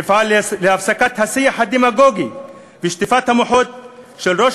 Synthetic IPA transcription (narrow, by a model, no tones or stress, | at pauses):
fʕalleafsakat̪hasijaħad̪emaɡoɡi | biʃt̪ifat̪hamoħot̪̚ | ʃelʁoʃ